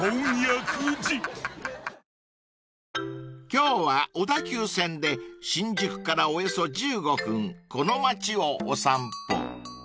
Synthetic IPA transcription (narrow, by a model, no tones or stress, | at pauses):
õŋjakɯd͡ʑi | kʲo̞ːβaod̪akʲɨːsẽ̞nd̪e̞ɕĩɲ̟d͡ʑɨkɯ̟̥kaɾaoeso̞d͡ʑɨːɡo̞ɸɯ̟̃ŋko̞no̞mat͡ɕio̞ːsãmpo̰